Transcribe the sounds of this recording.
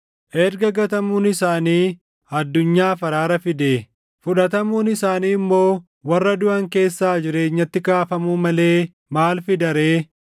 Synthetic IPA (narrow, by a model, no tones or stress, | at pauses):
ʔɛɾɡɐɡɐt̪ɐmuːnɪsaːniː | ɐd̪ːʊɲːaːfɐɾaːɾɐfɪd̪eː | fʊᶑɐt̪ɐmuːnɪsaːniːɪmːo̞ː | wɐrːɐd̪ʊʔɐŋke̞ːsːaːd͡ʒɪɾe̞ːɲːɐt̪ːɪkaːfɐmuːmɐle̞ː | maːlfɪd̪ɐɾe̞ː